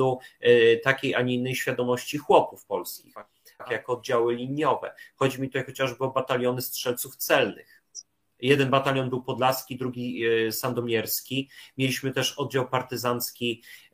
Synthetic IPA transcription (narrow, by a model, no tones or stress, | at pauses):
ut̪akʲejʔaɲiinːɛjɕfʲjad̪ɔmɔɕt͡ɕixwɔpufpɔlskʲḭx | kʲɛjakɔːd̪̚d͡ʑawɘlʲiɲjɔvɛ̰xɔd͡ʑimʲit̪ut̪ajxɔt͡ɕaʐbɘɔbat̪alʲjɔnɘstʂɛlt̪suft̪sɛlnɘ̰x | jɛd̪ɛnbat̪alʲjɔnbɘwpɔd̪laskʲid̪ɾuɡʲisand̪ɔmʲjɛɾskʲimʲjelʲiɕmɘt̪ɛʂɔd̪̚d͡ʑawpaɾt̪ɘzanskʲi